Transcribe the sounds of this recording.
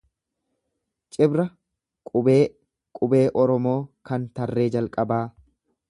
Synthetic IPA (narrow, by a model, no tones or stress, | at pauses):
t͡ʃʼɪbɾɐ | kʼʊbeː | kʼʊbe̞ːʔɔɾɔmo̞ːkɐnt̪ɐrːeːd͡ʒɐlkʼɐbaː